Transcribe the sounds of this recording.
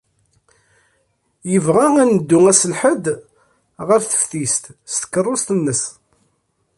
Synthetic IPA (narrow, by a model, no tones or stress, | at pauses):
jəvʁaænəd̪ːʊŋæsəlħəd̪ | ʁəɾθə̥fθist̪st̪ə̥kːərˤːost̪ənːəs